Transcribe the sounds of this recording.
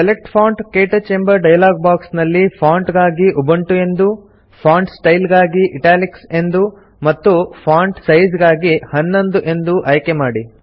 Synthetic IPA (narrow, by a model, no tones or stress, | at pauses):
selek̚ʈpʰaːɳʈkeːʈɐt͡ʃembɐɾɖɐjɐlaːɡ̚baːksnɐlːipʰaːɳʈɡaːɡiʔubɐɳʈue̞nd̪u | pʰaːɳɖsʈɐjlɡaːɡiʔiʈaːlikse̞nd̪u | mɐt̪ːupʰaːɳɖsɐjd͡ʒɡaːɡihɐnːond̪uʔe̞nd̪uʔɐjkemaːɽi